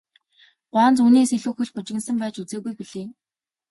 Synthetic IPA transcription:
ɢ̥waːnt͡suːneːseɮuːxuɮpʊt͡ɕɪ̆ɣɘ̆nsə̆mpæːt͡ɕut͡seːɣujpuɮeː

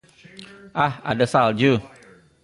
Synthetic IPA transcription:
ʔaha̰dəsald͡ʒu

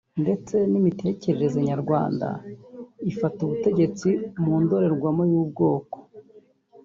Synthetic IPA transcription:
nde̞t͡se̞nimite̞ce̞ɾe̞ɾe̞zeɲaɾɡwaːnda̰ | ifatuβute̞ɟe̞t͡simuːndoɾe̞ɾɡwamojuːb̚ɡo̞ːko̥

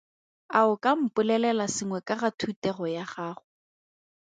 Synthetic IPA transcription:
aʊkʼam̩pʼʊlɛlɛlasɪŋwɛkʼaratʰutɛχɔjaχaːχʊ

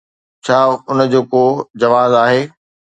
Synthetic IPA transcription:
t͡ɕʰaːʊnə̆d͡ʑoːkod͡ʑɐʋaːzaːɦeː

